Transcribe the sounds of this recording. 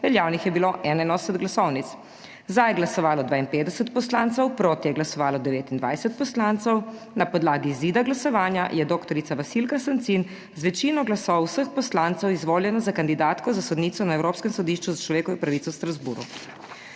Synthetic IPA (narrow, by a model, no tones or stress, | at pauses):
ʋɛljaːwnixjɛbiloʔɛnɛnɔsɛd̪ɡlasɔwnit̪s | zd̪ajɛɡlasɔʋaːlɔd̪ʋaːinpeːd̪d̪ɛsɛt̪pɔslant̪sɛwpɾoːt̪ijɛɡlasɔʋaːlɔd̪ɛʋeːt̪ind̪ʋajsɛt̪̚pɔslant̪sɛw | napɔd̪laːɡiziːd̪aɡlasɔʋaːnjajɛd̪oːkt̪ɔɾit̪saʋasilkasant̪sin | zʋɛt͡ʃiːnɔɡlasɔwsəxpɔslaːnt̪sɛwizʋoːljɛnazakand̪id̪aːt̪kɔzasɔd̪niːt̪sɔnaewɾoːpskɛmsɔd̪iʃt͡ʃuzat͡ʃlɔʋeːkɔʋjɔpɾaʋit̪sɔwst̪ɾazbṵːɾṵ